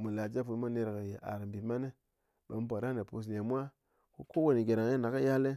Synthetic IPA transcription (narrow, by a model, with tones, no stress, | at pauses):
mu˨la˨d͡ʒa˦pu˨˦mo˦ne˦˧ɾke˨je˨ʔa̰˨ɾa˨mbi˨˦ma˦ne˦ | ɓe˨˦m˦bo˨ɾa˦ne˨pu˧s̬ne˨mʷ˦a˦ | ko˦ko˦wo˨ni˨ɡe˨ɾa˨ŋ˦e˦na˨ke˦ja˦le˦